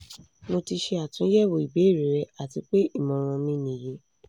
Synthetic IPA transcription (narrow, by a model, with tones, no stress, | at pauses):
no˧ti˧ʃe˧a˨tũ˨˦jɛ˦˨wo˧˨i˨be˨˦i˦˨ɾi˨ɾɛ˧˦a˨ti˧k͡pe˦i˦˨mɔ̃˨ɾ̃ɔ̃˧mĩ˧˦nĩ˨je˨˦